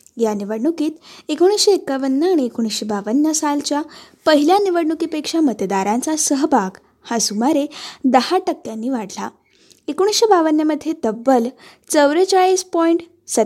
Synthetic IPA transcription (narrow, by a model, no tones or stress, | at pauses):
janiʋəɽɳukiːt̪ekoɽ̃isɕeekːaʋənːəaɽ̃iekoɽ̃isɕebaʋənːjəsalt͡ɕjapəɦiljaniʋəɽɳukipekʂamət̪d̪aɾant͡sasəɦbʱaɡ | hasumaɾed̪əhaʈəkːjanːiːʋaɽla | ekoɽ̃isɕebaʋənːjəməd̪ʱːjet̪əbːəl | t͡səʋɾət͡saɭiːspɔiɳʈ | sət̪